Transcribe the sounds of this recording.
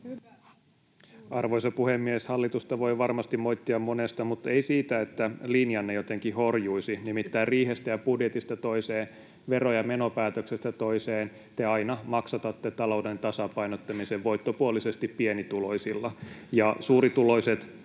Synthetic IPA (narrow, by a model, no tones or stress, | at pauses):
ɑrʋoisɑpuhemːieshɑlːit̪ust̪ɑʋo̞iʋɑrmɑst̪imoit̪ːiɑmmonest̪ɑmut̪ːeisiːt̪æet̪ːælinjɑnːejot̪eŋkihorjuisinimit̪ːæːrriːhest̪æjɑpudjet̪ist̪æt̪oiseːn | ʋerojɑmenopæːt̪øksest̪æt̪oiseːn | t̪eɑinɑmɑksɑt̪ɑt̪ːet̪ɑlo̞udent̪ɑsɑpɑinot̪ːɑmiseʋʋo̞jt̪ːopuolisest̪ippienit̪uloisilːɑjɑsuːrit̪ulo̞iset̪